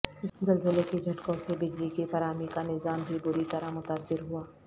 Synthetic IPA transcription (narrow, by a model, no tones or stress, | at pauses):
zɐlzəlekid͡ʒʱɐʈkõsebɪd͡ʒlikifɐɾaːmikanɪzaːmbʱibʊɾit̪ɐɾamʊt̪aːsɪɾɦuaː